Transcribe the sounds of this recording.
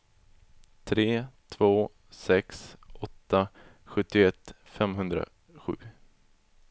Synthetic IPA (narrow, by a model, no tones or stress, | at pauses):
t̪ʰɾeːt̪ʰvoː | sɛksʔɔt̪ːa | ɧɵt̪ːɪɛt̪ː | fɛmɦɵnd̪ɾa̰ | ɧʉ̟ː